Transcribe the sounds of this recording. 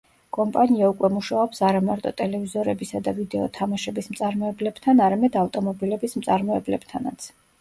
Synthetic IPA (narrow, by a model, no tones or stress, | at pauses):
kʼɔmpʼaniaukʼwɛmuʃaɔpsaɾamaɾt̪ʼɔt̪ʼɛlɛvizɔɾɛbisad̪avid̪ɛɔ̰t̪ʰamaʃɛbismt̪sʼaɾmɔɛblɛb̥t̪ʰanaɾamɛd̪avt̪ʼɔmɔbilɛbismt̪sʼaɾmɔɛblɛb̥t̪ʰanat̪sʰ